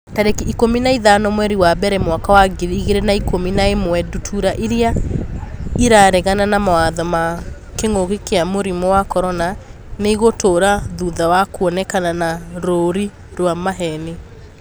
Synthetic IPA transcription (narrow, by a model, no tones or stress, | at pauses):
taɾekiikominaiðanɔmwɛɾiwabɛɾɛmwakawaɡiɾiɣeɾenaikominaemwɛdutʰuɾaʔiɾia | iɾaɾeɣananamawaðɔma | keŋoɣekeamoɾimɔwakɔɾɔna | neiɣotoːɾaðuðawakuɔnɛkananaɾoɾi | ɾwamaɦɛne